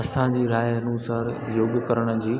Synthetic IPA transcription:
ɐsãd͡ʑiːɾaːjɦɐnuːsaːɾ | joːɡkəɾəɽ̃d͡ʑiː

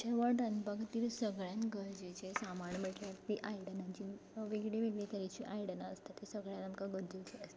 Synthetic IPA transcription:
t͡ɕaʋaʈanbakt̪iːlsəɡɭjãnɡəɾd͡ʑet͡ɕesamaɳməʈlaɾt̪iʔajɽənaɲt͡ɕiːʋeɡɽeʋeɡɭet̪əɾit͡ɕiːʔajɽənaːst̪at̪ːesəɡɭjãnamkaɡəɾd͡zəkeəst̪a

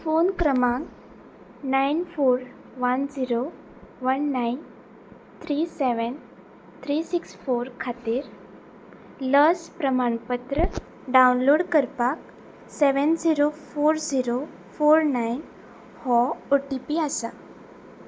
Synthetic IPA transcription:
fonkɾəmãŋk | najnfoɾ | ʋənd͡ziɾo | ʋənːajn | t̪ʰɾiseʋən | t̪ʰɾisiksfoɾkʰat̪iːɾ | ləspɾəmaɳpət̪ɾə | ɖawnloɽkəɾpak | sɛʋənd͡ziɾofoɾd͡ziɾo | foɾnajn | hɔoʈipiasa

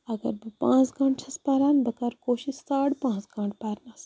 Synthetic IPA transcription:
ɐɡɐ̰ɾbɨpãːt͡sɡãːɳɖt͡ʃʰɐspaːɾaːnbɐkɐɾkoːʃissaːɽpãːt͡sɡãːɳɖpaːɾnɐs

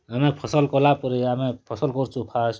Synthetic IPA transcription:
amẽpʰɔsəlkɔlapɔɾiamẽpʰɔsəlkɔɾt͡ʃʰupʰas

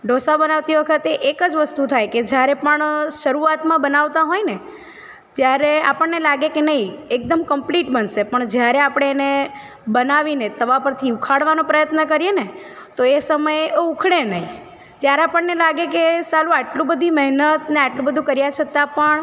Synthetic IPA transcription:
ɖosabənaʋt̪iʋəkʰət̪eʔekəd͡ʒʋəst̪ut̪ʰajked͡ʒjaɾepəɳʃəɾuat̪mãbənaʋt̪aɦojne | t̪jaɾea̰pəɳnelaɡekenəɦiek̚d̪əmkəmpliʈbənʃepəɳd͡ʒjaɾeapɽ̃eːne | bənaʋinet̪əʋapəɾt̪ʰiukʰaɽʋanõpɾəjət̪nəkəɾjene | t̪oesəməjeoukʰɽenəɦi | t̪jaɾeapəɳnelaɡekesalũaʈlũbəd̪ʱiməɦnət̪neaʈlũbəd̪ʱũkəɾjat͡ʃʰət̪ãpəɳ

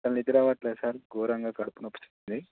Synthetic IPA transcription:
t̪ɐnid̪iɾaːʋaːʈlɐːsaːɾɡoːɾɐŋɡaːkɐɽupunɐpːu̥t͡ʃu̥t̪und̪i

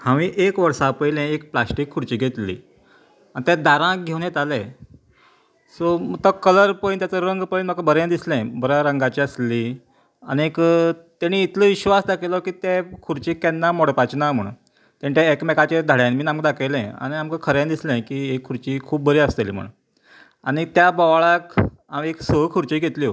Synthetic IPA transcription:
hãʋiːʔekʋəɾsapəjlɛ̃ekplasʈiːkʰːuɽt͡ɕiːɡʱet̪lḭː | anit̪ɛ̃d̪aɾãɡʱewnet̪alẽ | somət̪əkələɾpəint̪jat͡səɾəŋɡpəinmakəbəɾẽd̪islɛ̃bəɾaɾəŋɡat͡ɕiəsliː | a̰niekt̪aɽ̃iːt̪ləʋiɕʋasd̪akʰelɔkiːt̪ekʰuɾt͡ɕikːɛnːamɔɽpat͡ɕnam̤əɽ | t̪ãɳʈaekmɛkat͡ɕed̪ʱaɽjãnmiːnamkəd̪akʰelɛ̃a̰ɽ̃iamkəkʰəɾɛ̃d̪islɛ̃kiekʰːuɾt͡ɕiːkʰuːp̚bəɾiːəst̪elḭːm̤ə̰ɳ̰ | aɽ̃it̪jabɔʋɭak | ameksəɦkʰuɾt͡ɕiːɡʱet̪ljo

